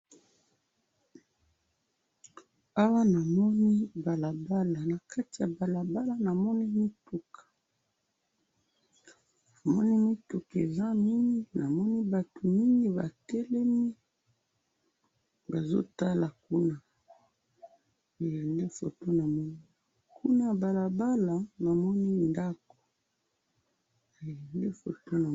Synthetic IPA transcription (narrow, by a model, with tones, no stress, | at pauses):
a˦wa˦na˨mɔ˦ni˦ba˨la˨ba˦la˨na˨ka˦ti˨ja˨ba˨la˨ba˦la˦na˨mɔ˦ni˦mi˦tu˨kʰḁ˨ | a˨mɔ˦ni˦mi˦tu˨ke˨za˦mi˦ŋɡi˦na˨mɔ˦ni˦ba˨to˨mi˦ŋɡi˦ba̰˨tɛ˦lɛ˦mi˦ | ba˨zo̰˦ta˦la˨ku˦na˨ | e˨jɛ˨nde˦fo̰˨to˦na˨mɔ˦ni˦ | kʰu˦na˦˨ba˨la˨ba˦la˨na˨mɔ˦ni˦nda˦ko̥˨ | e˨jɛ˨nde˦fo̰˨to˦na˨